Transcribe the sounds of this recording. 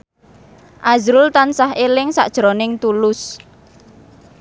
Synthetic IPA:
ʔazɾʊlt̪ansaɦelɪŋsa̰ʔd̥ʒ̥ɾonɪŋt̪ulʊs

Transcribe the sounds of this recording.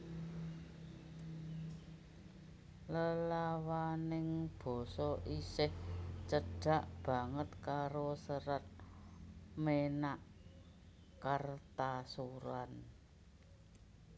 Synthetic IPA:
ləlawanɪŋb̥ɔ̤sɔʔisɪht͡ʃəɖ̥a̤ʔb̥a̤ŋət̪̚kaɾosəɾət̪̚ | menaʔ | kart̪asuɾan

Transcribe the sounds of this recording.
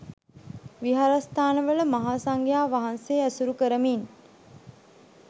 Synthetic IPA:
ʋiɦaɾast̪aːnəʋələmaɦaːsaŋɡjaːʋaɦanseːæsuɾukəɾəmiːn

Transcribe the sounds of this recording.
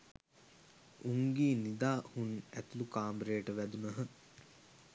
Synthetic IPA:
uŋɡiːnid̪aːhunæt̪ulukaːmbɾejəʈəʋæd̪unəɦə

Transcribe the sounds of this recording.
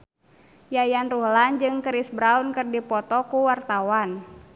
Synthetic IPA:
jajanruhland͡ʒɨŋkəɾisbɾaunkɨrdipɔt̪ɔkuwart̪awan

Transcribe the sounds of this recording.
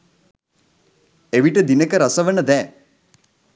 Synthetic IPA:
eʋiʈəd̪inəkəɾasəʋənəd̪ɛː

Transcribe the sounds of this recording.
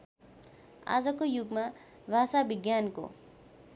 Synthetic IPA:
a̰d͡zʌkojuɡma | bʱasabiɡjanko̰

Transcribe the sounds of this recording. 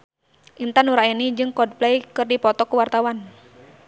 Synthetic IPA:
ʔint̪anuɾainid͡ʒɨŋkɔd̚plɛjkɨrdipɔt̪ɔkuwart̪awan

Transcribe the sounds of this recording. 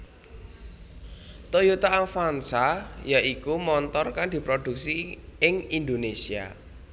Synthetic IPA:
t̪ojut̪aafansajaʔikumɔnt̪ɔrkand̪̥i̤pɾod̪̥ṳk̚siɪŋind̪onesia̰

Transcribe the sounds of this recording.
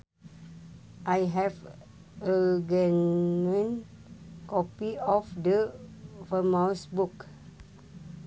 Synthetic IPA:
ʔajɦɛv | əɡɛnə̃n | kɔpiɔfdəfəmãwsbuk

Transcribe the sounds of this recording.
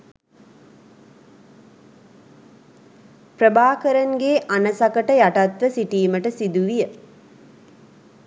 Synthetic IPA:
pɾəbaːkəɾɐŋɡeːʔanɐsɐkəʈəjaʈɐt̪ʋəsiʈiːməʈəsid̪uʋijə

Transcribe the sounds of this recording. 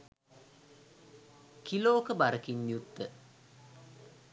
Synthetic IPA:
kiloːkəbaɾəkiɲːjut̪ːə

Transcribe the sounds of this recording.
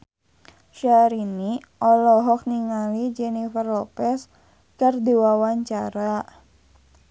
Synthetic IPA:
ʃaɾiniʔɔlɔɦɔk̚niŋalid͡ʒɛnifərlɔpɛs | kərdiwawaɲt͡ʃaɾa

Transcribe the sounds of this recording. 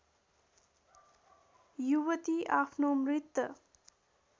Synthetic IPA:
juwʌt̪iapʰnomɾit̪ːʌ

